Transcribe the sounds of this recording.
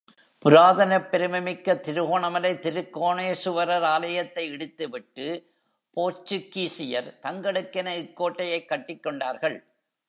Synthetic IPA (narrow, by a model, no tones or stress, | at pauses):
pʊɾaːðɐnɐpːɛɾɯmɐmɪkːɐt̪ːɪɾɯɣoːɳɐmɐlɐɪt̪ːɪɾɯkːoːɳeːsʊʋɐɾɐɾaːlɐjɐt̪ːɐɪɛɽɯt̪ːɯʋɪʈːɯ | poːt͡ʃːɯkːiːsɪjɐɾt̪ɐŋɡɐɽɯkːɪnɐɪkːoːʈːɐjɐɪkːɐʈːɪkːɔɳɖaːɾɣɐɭ